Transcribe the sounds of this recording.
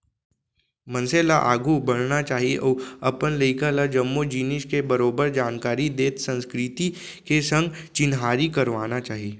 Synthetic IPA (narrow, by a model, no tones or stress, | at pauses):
mɐ̃nselaʔaːɡubɐɽ̤nat͡ʃaːɦieʔɔːɐpənləɪkalad͡ʒɐmːod͡ʒiːnɪʃkebɐɾoːbəɾd͡ʒaːnkaːɾid̪eːt̪sɐ̃nskɾɪt̪i | kesɐ̃ŋɡ | t͡ʃɪnɦaːɾikɐɾʋaːnat͡ʃaːɦieː